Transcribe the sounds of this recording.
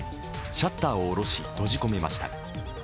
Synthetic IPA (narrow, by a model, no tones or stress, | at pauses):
ɕat̪ːaːoːɾo̞ɕit̪o̞ʑiko̞me̞ma̰ɕi̥t̪a̰